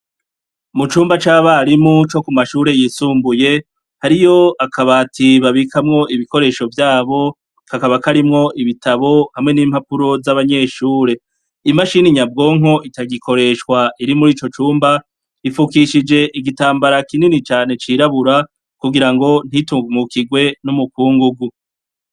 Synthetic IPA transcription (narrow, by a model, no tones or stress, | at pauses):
mut͡ʃuːmbat͡ʃaːβaɾimut͡ʃo̞kumaʃuːɾe̞jiːsuːmbuje̞ | haɾijo̞akʰaβaːtiβaβikʰamŋo̞ʔiβiko̞ɾe̞ʃo̞vjaːβo̞ | kakaβakaɾimŋo̞ʔiβitaβo̞hamŋe̞niːmhapuɾo̞zaβaɲe̞ʃuːɾe̞ | imaʃiniɲabɡo̞ːŋɦo̞ʔitaɡikʰo̞ɾe̞ʃkwaʔiɾimuɾiːt͡ʃo̞t͡ʃuːmba | ifukiʃid͡ʒe̞ʔiɡitaːmbaɾakininit͡ʃaːne̞t͡ʃiɾaβuɾa | kuɡiɾaŋɡo̞n̥hitumukiɡwe̞numukuːŋɡuɡu